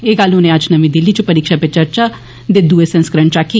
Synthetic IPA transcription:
eːɡalʊnẽəd͡ʒnəmĩːd̪ɪlːit͡ʃpəɾiːkʃapet͡ʃəɾt͡ʃaː | d̪ed̪uːesə̃nskɾəɳt͡ʃaːki

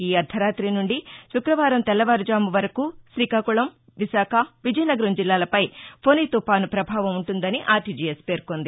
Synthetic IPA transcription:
iːɐd̪ʱɐɾaːt̪ɾinuɳɖiʃukɾɐʋaːɾɐmt̪ɛlːɐʋaːɾud͡ʒaːmuʋɐɾɐkuːʃɾiːkɐkuɭɐm | ʋisaːkʰɐʋid͡ʒɐjnɐɡɐɾɐmd͡ʒilːaːlɐpɐjpʰonit̪upaːnupɾɐbʱaːʋɐmuɳʈund̪ɐniʔaːʈid͡ʒiːjespe̞ːɾkond̪i

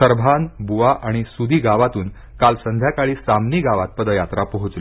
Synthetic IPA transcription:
əɾbʱanbuʋaʔaɽ̃isud̪iːɡaʋat̪uːn | kalsənd̪ʱjakaɭiːsamniːɡaʋat̪̚pəd̪əjat̪ɾapəɦut͡sl

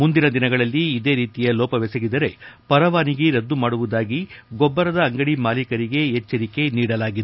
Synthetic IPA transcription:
mund̪inɐd̪inɐɡɐɭɐlːiːd̪e̞ːɾiːt̪ijɐlɔːpɐʋɛsɐɡid̪ɐɾe̞pɐɾɐʋaːniɡeɾɐd̪ːumaːɽuʋud̪aːɡiɡɔbːɐɾɐd̪ɐːŋɡɐɽimaːlikɐɾiɡe̞ɦɛt͡ʃːɐɾike̞niːɽɐlaːɡid̪

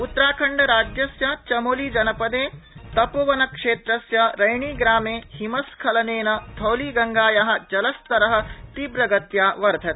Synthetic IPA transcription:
ut̪ːɾaːkʰɐɳɖɐɾaːd͡ʒjɐsjɐt͡ʃɐmoliːd͡ʒɐnɐpɐd̪eːt̪ɐpɐʋɐnɐkʂeːt̪ɾɐsjɐɾɐjɳiːɡɾaːmeːhimɐskʰɐlɐneːnɐt̪ʰɐwliːɡɐŋɡaːjaɦɐ̆d͡ʒɐlɐst̪ɐɾɐɦɐ̆t̪ibɾɐɡɐt̪jaːʋɐɾd̪ʱɐt̪

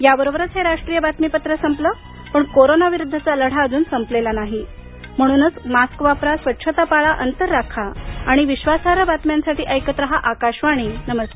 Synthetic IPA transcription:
jabəɾobəɾət͡sɦeɾaʂʈɾijəbat̪mipət̪ɾəsəmplə | pəɳkoɾonaʋiɾud̪ʱːət͡saləɽ̤aəd͡zuːnsəmplelanaɦi | m̤əɽ̃uːnət͡smaskʋapɾasʋətːɕʰət̪apaɭaʔənt̪əɾːakʰaaɽ̃iʋiɕʋasaɾabat̪mjansaʈiːʔəjkət̪ɾəɦaʔakaɕʋaɽ̃iːnəməst̪

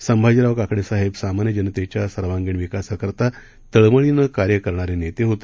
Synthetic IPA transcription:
səmbʱad͡ʑɾaʋəkakɽesaɦebsamanjəd͡ʑənət̪et͡ɕjasəɾʋãŋɡiɳʋikasəkəɾt̪a | t̪əɭməɭinəkaɾjəkəɾɳ̃aɾenet̪eɦot̪e̥

